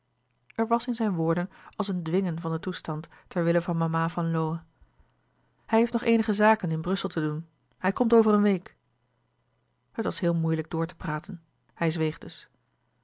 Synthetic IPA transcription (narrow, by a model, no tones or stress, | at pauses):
ɛɹʋɑsɪnzɛjnʋʊːɹdənɑlˠsəndʋɪŋənvɑndətustɑnt | ɛɹʋɪləvɑnmamaːvɑnlowə | hɛjɦeftnɔχejnəχəzaːkənɪnbrɵsəlˠtʰədun | hɛjkɔmtowvərənʋejk | hətʋɑsɦɪːlˠmujləɡ̚dʊːɹtə̥praːtən | hɛjzʋejχd̥ɵs